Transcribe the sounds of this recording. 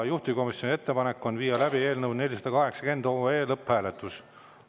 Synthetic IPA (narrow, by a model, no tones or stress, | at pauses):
juht̪iko̞misjonʲie̞t̪ːe̞pɑne̞kːˑo̞nviːjɑlæb̥ie̞ːlnɤwnelʲisɑd̪̥ɑkɑɦe̞ksɑ̥ke̞nd̪̥oːeːlɤpːhæːle̞t̪ːˑus